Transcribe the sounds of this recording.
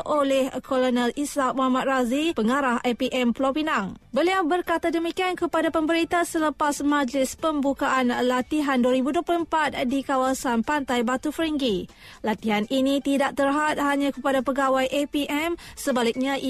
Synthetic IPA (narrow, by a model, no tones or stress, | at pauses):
ʔolɛhkolonɛlisak̚moamat̪̚razipəŋaɾahʔapiʔɛmplopinaŋbəliawbərkat̪adəmikiankəpadapəmbəɾit̪asələpasmãd͡ʒlɪspəmbukaʔanlat̪iɦanduəɾibuduəplulmpat̪̚dikawasanpant̪ajbat̪ufɾəŋɡi | lat̪iɦaninit̪idaʔ̚t̪ərɦat̪̚haɲãkəpadapəɡawajʔepiʔɛmsəbalik̚ɲãʔ